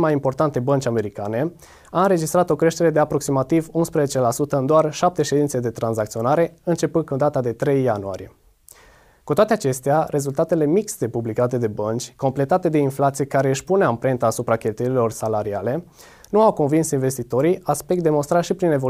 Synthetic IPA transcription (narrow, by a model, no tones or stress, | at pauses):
majimpo̞rt̪ant̪e̞bənt͡ʃʲame̞ɾikane̞ | aɨnɾe̞d͡ʒist̪ɾat̪o̞kɾeʃt̪e̞ɾe̞d̪eapɾo̞ksimat̪ivunspɾezet͡ʃe̞lasut̪əɨnd̪oarʃap̚t̪e̞ʃe̞d̪int̪sed̪e̞t̪ɾanzakt̪sio̞naɾe̞ɨnt͡ʃe̞pɨnkund̪at̪ad̪e̞t̪ɾe̞jːanua̰ɾije̞ | kut̪oat̪eat͡ʃe̞st̪eaɾe̞zult̪at̪e̞le̞mikst̪e̞publikat̪e̞d̪e̞bənt͡ʃʲko̞mple̞t̪at̪e̞d̪e̞inflat̪sijekaɾe̞ɨʃʲpuneaɨmpɾe̞nt̪aːsupɾakʲe̞lt̪ujeɾilo̞rsalaɾiale̞ | nuawko̞nvinsinve̞st̪it̪o̞ɾiaspe̞kt̪̚d̪e̞mo̞nst̪ɾaʃipɾine̞vo